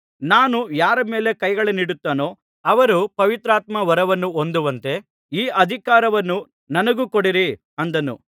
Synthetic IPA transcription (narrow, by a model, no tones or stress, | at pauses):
naːnujaːɾɐme̞ːle̞kɐjɡɐɭeniːɽut̪ːaːno̞ː | ɐʋɐɾupɐʋit̪ɾaːt̪mɐʋɐɾɐʋɐnːuond̪uʋɐnt̪e̞ | iːʔɐd̪ʱikaːɾɐʋɐnːu | nɐnɐɡukoɽiɾi | ɐnd̪ɐnṵ